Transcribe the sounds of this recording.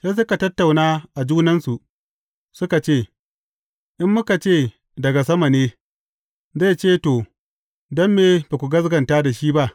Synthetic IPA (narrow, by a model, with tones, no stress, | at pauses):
sa˦s̬ʊ˦ka˨tɐ˦tːa˨wnaː˦ʔa˨d͡ʒuː˦nɐ˦nsu˨ʔ | sʊ˦ka˨t͡ʃeː˦˨ | ʔɪ˦mːʊ˦ka˨t͡ʃeː˦˨ | dɐ˨ɡa˨s̬ɐ˦ma˨neː˦ | za˦˨t͡ʃeː˦˨toː˨ | dɐ˦mːeː˨ba˨kʷu˨ɡɐ˦s̬ɡɐ˨ntaː˦da˨ʃiː˦ba˦ʔ